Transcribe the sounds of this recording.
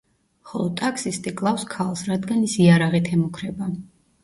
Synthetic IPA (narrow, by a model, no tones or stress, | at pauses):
χɔlˠɔt̪ʼakʰsist̪ʼikʼlˠafskʰalˠsɾad̪ɡanisiaɾaʁit̪ʰɛmukʰɾɛba